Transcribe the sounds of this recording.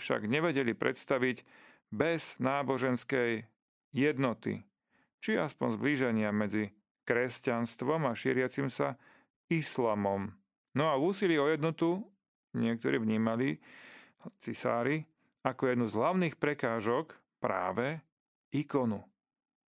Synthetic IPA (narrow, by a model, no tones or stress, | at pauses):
fʃa̰ɡɲɛʋɛɟɛlipɾʔɛ̰t̪st̪aʋiɟ | bɛz̥naːbɔʒɛnskɛjː | ɛd̪nɔt̪ḭ | t͡ʃiaspɔnzbliʒɛɲɪamɛd͡zi | kɾɛscanst̪ʋɔmaʃɪɛɾɪat͡simsa | islaːmɔm | nɔauːsiliːɔjɛd̪nɔt̪u | ɲɪɛk̚t̪ɔɾḭːvɲiːmali | t͡sisa̰ːɾi | akɔjɛd̪nuzɦlaʊniːxpɾɛkaːʒɔk | pɾa̰ːʋɛ | ikɔnu